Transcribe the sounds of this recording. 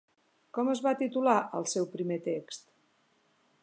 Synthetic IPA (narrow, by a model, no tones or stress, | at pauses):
kɔməzβat̪it̪ulaʔəlˠsɛwpɾimet̪ekst̪